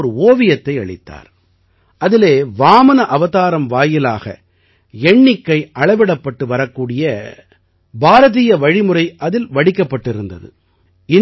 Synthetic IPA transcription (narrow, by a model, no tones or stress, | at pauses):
ɾɯoːʋɪjɐt̪ːɐɪɐ̰ɭɪ̰t̪ːa̰ːɾ | ʔɐðɪleːʋaːmɐnɐʔɐʋɐðaːɾɐmʋaːjɪlaːɣɐ̰ | ɛɳːɪkːɐɪʔɐɭɐɪʋɛɽɐpːɐʈːɯʋɐɾɐkːuːɽɪjɐ | bʱaːɾɐðijɐʋɐɻɪmɯrɐɪʔɐðɪlʋɐɽɪkːɐpːɐʈːɪɾɯnd̪ɐ̰ðɯ̰ | ɪ